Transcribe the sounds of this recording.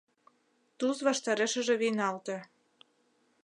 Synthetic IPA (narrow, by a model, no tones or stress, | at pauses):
t̪uzβɑʃt̪ɑɾeʃə̆ʒĕβinɑlt̪ĕ